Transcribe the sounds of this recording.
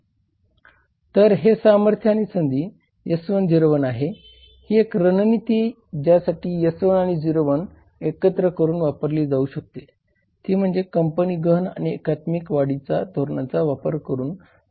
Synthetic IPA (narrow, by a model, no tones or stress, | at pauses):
t̪əɾɦesaməɾt̪ʰjaːɽ̃isənd̪iː | jəsʋənd͡ʑiɾʋənaɦe | hiːekɾənnit̪iː | d͡ʑjasaʈʰiːjəsʋənaɽ̃id͡ʑiɾʋən | ekət̪ɾəkəɾuːnʋapəɾliːd͡zauɕək̚t̪e | t̪iːm̤əɳd͡zekəmpəniːɡəɦna̰ɽ̃iekat̪mikʋaɽit͡sad̪ʱoɾɳat͡saʋapəɾkəɾuːn